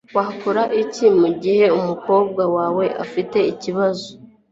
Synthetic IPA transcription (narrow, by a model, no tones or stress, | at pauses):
wahkuɾaʔicimuɟihe̞umuko̞ːb̚ɡawaːwe̞ʔa̰fite̞iciβazo